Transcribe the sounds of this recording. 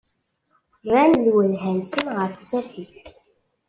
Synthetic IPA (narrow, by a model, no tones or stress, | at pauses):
rːænlwəlɦænsənʁəɾθsəɾθiθ